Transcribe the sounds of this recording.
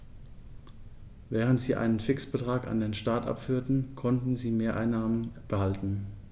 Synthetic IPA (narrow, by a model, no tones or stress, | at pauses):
vɛːʁ̞əntz̥iːʔa̰ɪnənfɪksb̥ətʁ̥aːka̰ndeːnʃtaɐtʔa̰pfyːɐtn̩kʰɔntn̩ziːmeːɐʔa̰ɪnːaːmənb̥əhaltn̩